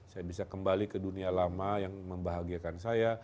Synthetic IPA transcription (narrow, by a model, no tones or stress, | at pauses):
sajabisakəmbalikədunialamajaŋməmbaɦaɡiakansaja